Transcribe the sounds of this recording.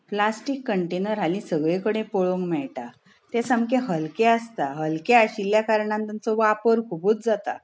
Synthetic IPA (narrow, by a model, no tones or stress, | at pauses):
plasʈikːəɳʈenəɾɦalĩsəɡɭẽkəɽ̃ẽpoɭoŋɡmɛɭʈa | t̪esəmkeɦəlkeəst̪aɦəlkeaɕiljakaɾɳãnt̪ant͡sɔʋapəɾkʰubut͡sd͡zat̪a̰